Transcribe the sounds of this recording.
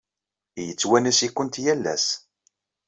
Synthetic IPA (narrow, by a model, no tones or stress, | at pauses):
jət͡sːwænæsikːənt̪jælːæ̰s